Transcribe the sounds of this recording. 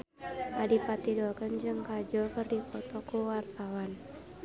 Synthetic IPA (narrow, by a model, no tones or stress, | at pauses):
ʔadipat̪idɔkənd͡ʒɨŋkad͡ʒɔkərdikɔt̪ɔkuwart̪awan